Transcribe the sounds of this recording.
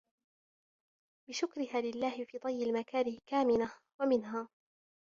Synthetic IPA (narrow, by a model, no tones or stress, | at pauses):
bɪʃʊkɾɪhaːlɪlːaːhɪfiːd̪ˤɑjːɪlmakaːɾɪkaːmɪna | wamɪnɦaː